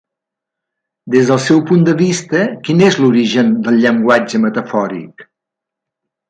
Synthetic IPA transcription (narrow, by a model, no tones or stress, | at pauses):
d̪ezðəlˠsɛwpund̪əβist̪əkinezluɾiʒənd̪əlˠʎəŋɡwad͡ʒəmət̪əfɔɾḭk